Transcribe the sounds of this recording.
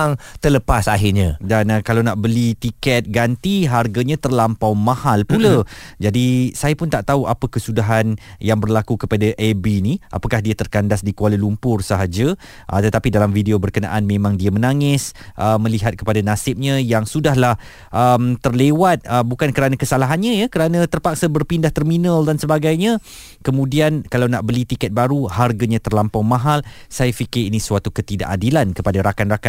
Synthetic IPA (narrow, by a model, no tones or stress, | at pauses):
ŋt̪ələpasaɦɪrɲadanəkalawnaʔbəlit̪ikɛt̪̚ɡant̪iɦarɡaɲãt̪ərlampawmãhalpulad͡ʒadisajapʊnt̪aʔt̪auʔapəkəsudaɦanjaŋbərlakukəpadaʔebiniʔa̰pakahdiat̪ərkandasdikəaləlumpʊrsəɦad͡ʒa | ʔə̰t̪ət̪apidalamfideobərkəna̰ʔanmẽmãŋdiamə̃naŋɪsʔəmə̃liɦat̪̚kə̥padanasɪp̚ɲãjaŋsudahɦlah | ʔəmt̪ərlewat̪̚əbukankəɾanakəsalaɦanɲãjakəɾanə̃t̪ərpak̚sabərpindaht̪ərminəldansəbaɡajɲã | kəmũdiankalawnaʔbəlit̪ikɛt̪̚baɾuharɡaɲãt̪ərlampawmãɦalsajafikɪɾinisuwat̪ukət̪ida̰ʔadilankəpadaɾakanraka